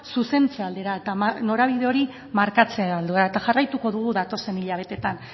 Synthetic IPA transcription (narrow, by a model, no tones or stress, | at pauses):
suse̞nt͡seald̪e̞ɾae̞t̪amano̞ɾaβ̞iðe̞o̞ɾi | maɾkat͡seaeβald̪ueɾaet̪axarajt̪uko̞ðuɣ̞uðat̪o̞se̞niʎaβ̞e̞t̪e̞t̪an